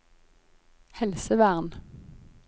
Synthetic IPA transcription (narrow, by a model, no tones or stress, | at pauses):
hɛlsəʋæʁn